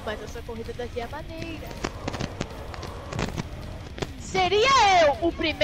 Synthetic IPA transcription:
majzɐsuɐkoɦid̪ɐd̪ɐkiɐmɐ̃nejɾɐ | seɾiɐewʊpɾim

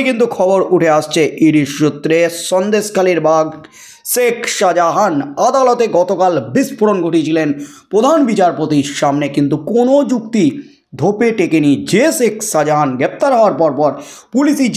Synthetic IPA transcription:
kint̪ukʰɔboɾuʈʰeaʃt͡ɕʰeʔiɖiʃʃut̪ːɾeʃɔnd̪eskaliɾbʱaɡ | sekʃad͡ʑaɦanad̪alot̪eɡɔt̪okalbispʰuɾonɡʱoʈit͡ɕʰilenpɾod̪ʱanbit͡ɕaɾpot̪iɾʃamnekint̪ukonod͡ʑukt̪i | d̪ʱopeʈekenid͡ʑesekʰʃad͡ʑaɦanɡɾep̚t̪aɾɦɔaɾpɔɾpɔɾpulisi

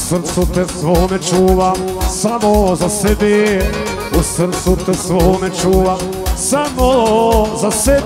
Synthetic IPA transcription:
sɾt̪sut̪ɛsʋomɛt͡ʃuːʋasamozasɛbi | usɾ̩t̪sut̪ɛsʋoomɛt͡ʃuːʋa | samolozasɛ

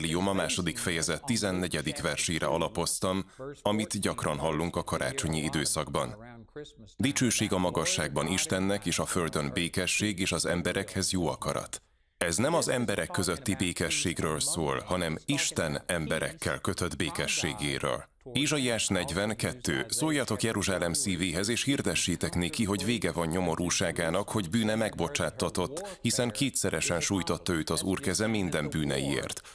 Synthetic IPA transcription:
liomɒmaːʃo̞d̪ikfɛjɛzɛt̪ːizɛnːɛɟɛd̪ikʋɛrʃeːjɾʔɛ̰ɒlɒpo̞st̪ɒmɒmit̪ɟɒkrɒnɦɒlːuŋkɒkɒɾa̰ːt͡ʃo̞ɲiid̪øːsɒɡbɒn | d̪it͡ʃøːʃeːɡɒmɒɡɒʃːaːɡ̚bɒniʃt̪ɛnːɛkeːʃɒføld̪ø̞nbeːkɛʃːeːɡeːʃɒzɛ̰mbɛɾʔɛkhɛzjoːɒ̰kɒ̰ɾɒ̰t̪ | ɛznɛmɒzɛmbɛɾʔɛkːøzøt̪ːibeːkɛʃːeːɡrøːlsoːlhɒnɛmiʃt̪ɛnɛmbɛɾɛ̰kːɛ̰lkøt̪ø̞d̪beːkɛʃːeːɡḛːɾø̰ːl | eːʒɒiaːʃnɛɟvɛŋkɛt̪ːø̰ːsoːjːɒt̪o̞kjɛɾuʒaːlɛmsiːveːɦɛzeːʃhird̪ɛʃːeːt̪ɛkneːkiɦo̞ɟveːɡɛvɒɲɲo̞mo̞ɾuːʃaːɡaːnɒkho̞ɟbyːnɛmɛɡbo̞t͡ʃaːt̪ːɒt̪o̞t̪ːhisɛŋkeːt̪sɛɾɛʃɛnʃuːjt̪o̞t̪ːɒøːt̪ɒzuːrkɛzɛmind̪ɛmbyːnɛ̰jḭḛːrt̪

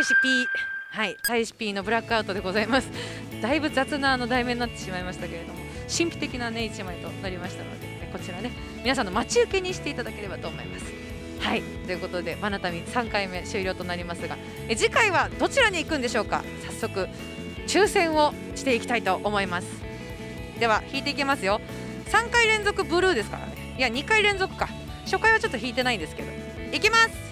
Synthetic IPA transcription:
ɕipʲiːhait̪aiɕi̥pʲiːno̞bɯ̟ɾakːɯaɯ̟t̪o̞d̪e̞ɡo̞zaimasɨ̥ | d̪̥aibɯ̟zat͡sɨnaːno̞d̪aimenːat̪ːe̞̥ɕimaimaɕi̥t̪ake̞ɾe̞d̪o̞mo̞ | ɕĩmpʲi̥t̪e̞kʲinane̞it͡ɕimait̪o̞naɾʲimaɕi̥t̪ano̞̰d̪e̞ | ko̞t͡ɕiɾane̞ | mʲinas̬anːo̞mat͡ɕiɯ̟ke̞ɲ̟iɕi̥t̪e̞it̪ad̪ake̞ɾe̞bat̪o̞ːmo̞̰ḭmasɨ̥ | hai | t̪o̞jɯ̟ko̞t̪o̞d̪e̞banat̪amʲisãŋkaime̞ɕɨːɾʲjo̞ːt̪o̞naɾʲimasɨɡa | ed͡ʑikaiβ̞ad̪o̞t͡ɕiɾaɲ̟iːkɯ̟̃nd̪e̞ɕo̞ːka̰sasːo̞kɯ̟ | t͡ɕɨːsẽ̞ɰ̃o̞ | ɕi̥t̪e̞ikʲi̥t̪ait̪o̞ʔːmo̞imasɨ̥ | d̪e̞β̞açiːt̪e̞ikemasɨjo̞ | sãŋkaiɾẽ̞nzokɯ̟bɯ̟ɾɯ̟ːd̪e̞sɨ̥ka̰ɾa̰ne̞iaɲ̟ikaiɾẽ̞nzo̞kɯ̟̥ka | ɕo̞kaiβat͡ɕo̞t̪ːo̞çʲiːt̪e̞naĩnd̪esɨ̥ke̞d̪o̞̰ | ikʲimasɨ̥

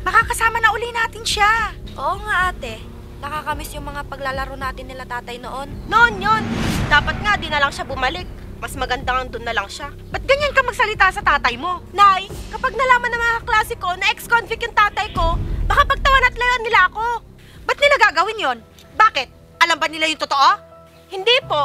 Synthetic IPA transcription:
mɐkaːkɐsaːmɐnɐʔʊlinaːt̪ɪnʃaʔoʔoŋaʔat̪ɛ | nɐkakɐmɪsjʊŋmɐŋapɐɡ̚lalɐɾonaːt̪ɪnːɪlat̪aːt̪ɐjno̰ʔo̞nːoʔonjond̪aːpɐt̪̚ŋad̪inɐlɐŋʃabʊmɐlɪk̚ | mɐsmɐɡɐnd̪aɐŋd̪ʊnːɐlɐŋʃa | bɐt̪̚ɡɐɲankɐmɐɡ̚sɐlɪt̪asɐt̪aːt̪ɐjmo̞najkɐpaɡ̚nɐlaːmɐnːɐŋmɐŋaklaːsɪko̞nɐʔɛkskonfɪkjʊŋt̪aːt̪ɐjko̞bɐkapɐɡ̚t̪ɐwɐnɐt̪lɐjoɐnːɪlaʔɐko̞ | bɐt̪̚nɪlaɡaɡɐwɪnjo̞n | baːkɪt̪̚ | ʔɐlɐmbɐnɪlajʊŋt̪ot̪o̞ʔo̞ | hɪnd̪ipo̞

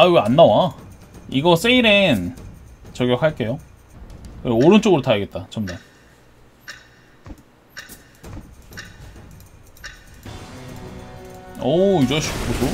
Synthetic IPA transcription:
aɯɡanːawa | iɡʌs͈eiɾen | t͡ɕʌɡjʌkʰhaɭk͈e̞jo | kɯeoɾɯnt͡ɕ͈oɡɯɾotaɯɡe̞t̚t͈at͡ɕʰʌmdaɭ | ʌid͡ʑeɕʰi̥kusʰo

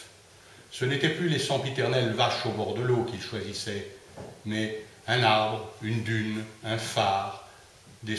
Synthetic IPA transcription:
sənet̪ɛplylesɑ̃pit̪ɛʁnɛlvaʃobɔʁd̪əlokilʃwazisɛ | mɛ | ɛ̃naʁbʁynd̪ynɛ̃faːʁ | d̪e

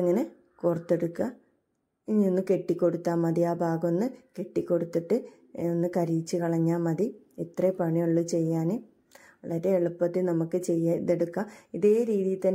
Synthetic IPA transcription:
ɐŋːɐne | kurɐt̪ːe̞ɽukːa | ɲinːɨke̞ʈːikʲːo̞ɽut̪ːaːmɐðijaːbʱaːɡonːɨke̞ʈːikʲːo̞ɽut̪ːiʈːɨ | nːɨkɐɾit͡ɕːɨkɐɭɐɲːaːmɐði | it̪rɐpɐɳijoɭːut͡ɕe̞jːaːnɨ | ɐlːɐɾeːɭupːɐðinɐmukːɨt͡ɕe̞jːɐðeɽukːaiðe̞ːɾiːðijit̪ɐnː

